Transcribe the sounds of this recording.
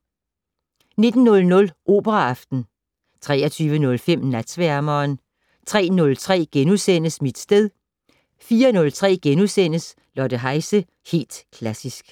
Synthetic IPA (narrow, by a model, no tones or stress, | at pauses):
ne̝d̥n̩ːɔ̽lnɔ̽lʔo̝̰ːb̥ɐʁɑɑfd̥n̩ | t͡sʰʁɛ̰ːɐt͡sʰyːʋənɔ̽lfem̰næd̥sʋæɐmɐːn | t͡sʰʁɛ̰ːnɔ̽lt͡sʰʁɛ̰ːɡ̥enusen̰əsmid̥sd̥eð̞ˠ | fiːɐnɔ̽lt͡sʰʁɛ̰ːɡ̥enusen̰əs | lɒd̥əɦɑ̈ɪsə | he̝̰ːld̥kʰlæsisɡ̥